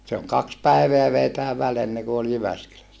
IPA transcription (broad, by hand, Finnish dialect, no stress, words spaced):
se oŋ kɑks pæiʋeæ ʋei tæː ʋæl enːeku ol jyʋæskylæsːæ